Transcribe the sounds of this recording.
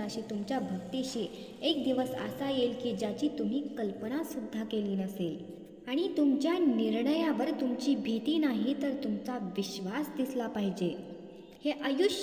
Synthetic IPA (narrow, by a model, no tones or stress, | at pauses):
əɕiːt̪umt͡ɕjabʱək̚t̪iɕiek̚d̪iʋəsə̰sajelkiːd͡ʑjat͡ɕiːt̪um̤iːkəlpənasud̪ʱːakeliːnəsel | aɽ̃it̪umt͡ɕjaniɾɳəjaʋəɾt̪umt͡ɕiːbʱit̪iːnaɦit̪əɾt̪umt͡saʋiɕʋasd̪islapaɦid͡ʑe | heʔəjuɕ